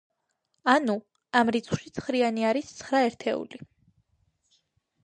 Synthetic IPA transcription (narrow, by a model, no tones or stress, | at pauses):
anu | amɾit̪sʰχʃit̪sʰχɾianiaɾist̪sʰχɾaɛɾt̪ʰɛ̰ṵli